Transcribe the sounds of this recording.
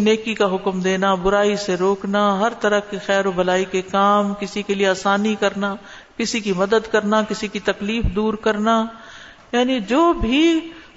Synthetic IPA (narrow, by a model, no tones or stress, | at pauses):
neːkikaɦʊkmd̪eːnabʊɾaːiseɾoːknaɦɐɾt̪ɐɾəkixɛːɾobɐlaːikekaːmkɪsikelieaːsaːnikɐɾna | kɪsikimɐd̪əd̪kɐɾnakɪsikit̪ɐkliːfd̪uːɾkɐɾna | jaːnid͡ʒoːbʱi